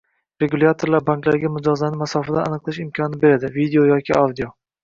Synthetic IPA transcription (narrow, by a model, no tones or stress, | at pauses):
ɾe̞ɡulʲat̪ʰoɾlaɾbaŋklaɾɪɡʲamʊd͡ʒɒzlanɪmasɒfad̪aa̰nɨqlˠɪʃɪmkʲʰɒnɪbe̞ɾad̪ɪvid̪eojɒkʲʰɪʔawd̪io